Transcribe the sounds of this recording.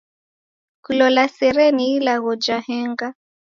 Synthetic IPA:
kulɔlasɛɾɛniilaɣɔd͡ʒahɛŋɡa

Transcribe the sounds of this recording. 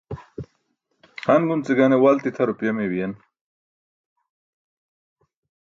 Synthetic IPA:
hanɡunt͡siɡanewalt̪it̪ʰɐɾupjemewijen

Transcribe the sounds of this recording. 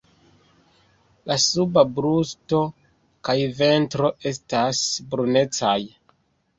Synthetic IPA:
lasubabɾusto̞ | kajve̞ntɾo̞ʔe̞stasbɾune̞t͡saj

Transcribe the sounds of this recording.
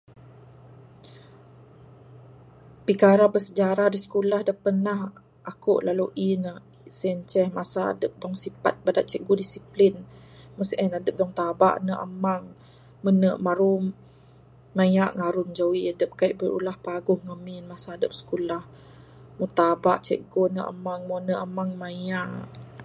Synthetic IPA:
pikaɾahbəsəd͡ʒaɾahdusə̥kulahdapənah | ʔakuʔlaluʔina | sɛnt͡ʃɛhmasa̰ːdəp̚dɔŋsipa̰t̪̚badaʔt͡ʃɛʔ̚ɡudisiplin | məsʔɛnadəp̚dɔŋt̪aba̰ʔnəʔa̰maŋ | mənəʔmaɾumː | ajaʔŋaɾʊnd͡ʒawiadəp̚kaiʔbəɾṵlahpaɡʊhŋəmɪnmasaːdəp̚sə̥kulah | mut̪aba̰ʔt͡ʃɛ̰ʔɡonəʔa̰maŋmɔnəʔamaŋmajaʔ

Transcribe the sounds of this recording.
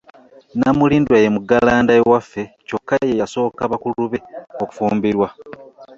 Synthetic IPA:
namuliːndwajemuɡalaːndaewafːe̞co̞kːajejaso̞ːkaβakuluβeo̞ku̥fuːmbiɾwa

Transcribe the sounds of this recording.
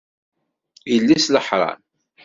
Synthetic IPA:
jəlːisləħɾˤɑ̰n

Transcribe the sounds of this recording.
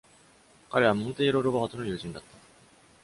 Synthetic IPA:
kaɾe̞βamõ̞nt̪e̞ːɾo̞ɾo̞baːt̪o̞no̞jɯ̟ːʑĩnd̪at̪ːḁ

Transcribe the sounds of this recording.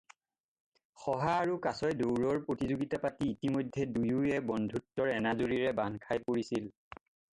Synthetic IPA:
xɔɦaːɹukasɔjdowɹɔɹpɹotizoɡitapatiːtimojdʱːɛdujuɛbɔndʱutːɔɹɛnazoɹiɹɛbankʰajpoɹisil

